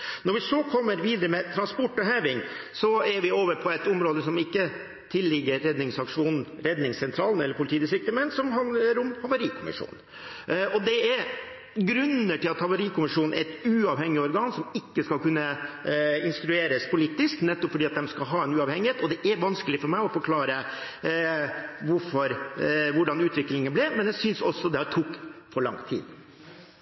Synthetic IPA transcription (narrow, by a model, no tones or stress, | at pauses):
nɔɾʋɪsɔkʰɔmːəɾʋiːd̪əɾəmɛt̪ʰɾɑnspɔʈːɔɦæːʋɪŋsɔɛɾʋɪoːʋəɾpʰɔɛt̪ʊmɾoːd̪əsɔmɪkːə | t̪ʰɪlːɪɡːəɾːɛd̪nɪŋsɑkʂuːnn̩ | ɾɛd̪nɪŋssɛnt̪ʰɾɑːln̩ɛlːəɾpʰʊlɪt̪iːɪs̬ɪk̚t̪əmɛnsɔmhɑnd̪ləɾʊmhɑʋəɾiːkʰʊmɪ̰ʂṵːn | ɔd̪ɛɛɾ | ɡɾʉnːəʈɪlɑt̪hɑʋəɾiːkʰʊmɪʂuːnnɛ̰ɾɛt̪ʉːɑʋhɛŋːɪɔɾɡɑːnsɔmɪkːəskɑlkʉnːə | ɪnst̪ɾʉeːɾəspʰʊliːt̪ɪsknɛt̪ːɔpfɔɖiːɑt̪d̪ɛmskɑɦɑːɛnʉːɑʋhɛŋːɪheːt̪ɔd̪ɛʔɛɾʋɑnskəlɪfɔɾmæɪɔfɔɾkʰlɑːɾə | ʋʊɾfɔɾʋʊɖɑnʉːt̪ʋɪklɪŋənblɛmɛnjæsʏnsɔsːɔd̪ɛhɑt̪ʰuːkfɔɭɑ̰ŋt̪ʰḭːd̪̥